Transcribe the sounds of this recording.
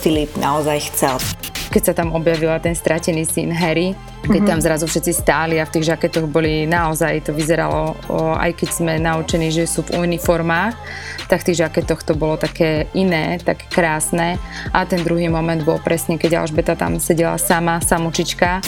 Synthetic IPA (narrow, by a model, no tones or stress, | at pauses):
filipna̰ɔzajxt͡sɛlkɛcsat̪amɔbjaʋilat̪ɛnst̪ɾʔacɛniːsinɦɛɾi | kɛct̪amzɾazufʃɛt̪t͡sist̪aːliaft̪iːɣʒakɛt̪ɔɣbɔlinaɔzajt̪ɔʋizɛɾa̰lɔa̰jkɛɟz̥mɛnaut͡ʃɛniʒɛsuːvunifɔɾmaːx | t̪akft̪iːɣʒakɛt̪ɔxt̪ɔbɔlɔt̪akɛːinɛːt̪a̰kɛ̥kɾaːsnɛʔat̪ɛnd̪ɾuɦiːmɔmɛnd̪bɔlpɾʔɛsɲɛkɛɟa̰lʒbɛt̪at̪a̰msɛɟɛla̰samasamut͡ʃit͡ʃka